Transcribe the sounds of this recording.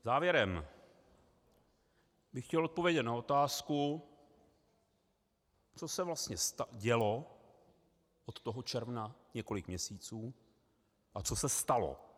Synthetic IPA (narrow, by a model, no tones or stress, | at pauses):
zaːvjɛɾɛm | bɪxcɛlʔot̪̚po̞vjɛɟɛt̪nao̞t̪aːsku | t͡so̞sɛvlast̪ɲɛst̪aɟɛlo̞ | ʔot̪ːoɦot͡ʃɛɾvnaɲɛko̞lɪkmɲɛsiːt͡suː | ʔat͡so̞sɛst̪alo̞̰